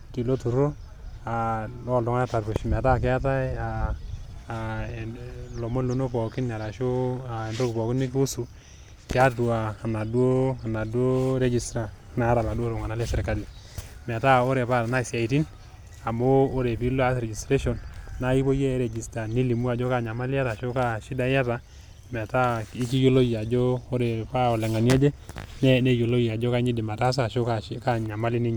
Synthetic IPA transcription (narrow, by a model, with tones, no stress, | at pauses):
ki˨lo˦tu˨ɾo˦ | a˨lɔ˦˨dɔ˦ŋa˦na˦ta˨ɾpu˨ʃmɛ˨ta˦k̬ɪ˦a˦ta˦i˦a˨ | lo˨mo˦lo˦no˦pɔ˨kɪ˦na˨ɾa˨ʃo˦a˨e˨ndo˦ku˨pɔ˨ki˦ni˦ki˦u˦su˨ | kɪ˦a˦tu˨aː˨na˨du˦o˦a˨na˨du˦o˦ɾe˦d͡ʒi˨stɾa˨ | na˦ɾa˨la˨do˦lo˨ŋa˨na˦le˦sɛ˨ɾka˦li˨ | m˨ɛ˨ta˦o˦ɾe˨pa˦˨ɾna˦˨si˨a˨i˨ti˦n | a˨moː˦ɾe˨pi˦lo˦a˦sɾe˨d͡ʒi˨stɾe˦ʃɔ˨nna˦i˦po˦je˦ɾe˨d͡ʒi˨sta˨ni˦li˨mu˦a˨d͡ʒɔ˦ka˦ɲa˨ma˦lɪ˦ja˦ta˨ʃo˦ka˦ʃi˦da˦ja˦ta˨ | mɛ˨ta˦i˦ki˦jo˦lo˦ja˨d͡ʒo˦o˦ɾe˨pa˦ɔ˨lɛ˨ŋa˨ni˦ɛ˦d͡ʒe˦n˦ne˦jo˨lo˦ja˨d͡ʒo˦ka˦ɲi˦di˨ma˨ta˦s̬a˦˨ʃo˦kaka˦ɲa˨ma˦li˦ni˦ɲ˨